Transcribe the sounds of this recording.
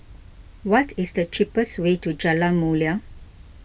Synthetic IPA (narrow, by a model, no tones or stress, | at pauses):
wɔtʰɪsd̪ət͡ʃipəstwetud͡ʒalamulia